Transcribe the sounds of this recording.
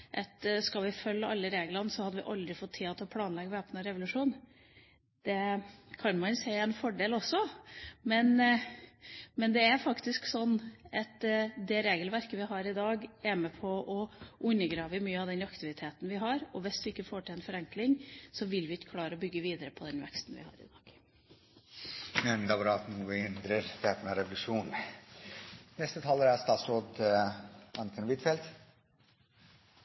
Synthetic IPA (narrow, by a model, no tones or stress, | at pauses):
ʔɑt̪skɑʋɪfœlːəɑlːəɾeːɡəlɑnsɔhɑd̪əʋɪ̰ʔɑld̪ɾɪfɔt̪ʰːiːɑt̪ɔpʰlɑːnlɛɡːəʋeːpnəɾɛʋʊlʉʂuːn | d̪̥ɛkʰɑnmɑnsæɪɛnfɔɖeːlɔsːɔmɛn | mɛnd̪ɛæɾfɑkt̪ɪsksɔnːʔɑt̪d̪ɛɾeːɡəlʋæɾkəʋɪɦɑɾɪd̪ɑːɡæɾməpʰɔʔɔʔʉnːəɡɾɑːʋəmyːəɑʋd̪ɛnɑkt̪ɪʋɪt̪ʰeːt̪n̩ʋɪɦɑɾɔʋɪsd̪ɪɪkːəfoːʈʰɪlɛnfɔɾɛŋklɪŋsɔʋɪlʋɪɪkːə̥kʰlɑːɾəɔbʏɡːəʋiːd̪əɾəpʰɔd̪ɛnʋɛ̰kst̪n̩ʋɪ̰hɑ̰ːɾɪ̰d̪ɑ̰ːɡ̥ | mɛnd̪ɑɾɑt̪nuːɪnd̪ɾəɾd̪ɛt̪nɛɾɛʋlʉʂuːn | nɛst̪ət̪ʰɑːləɾæst̪ɑːt̪sɾoːd̪ | ɑnkʰənʋɪt̪fɛlt̪